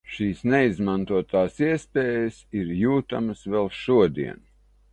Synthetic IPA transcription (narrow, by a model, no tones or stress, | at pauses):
ʃiːsneizmant̪uɔt̪aːsiɛspʲeːjəsiɾjuːt̪a̰məsvɛlˠʃuɔd̪ḭɛn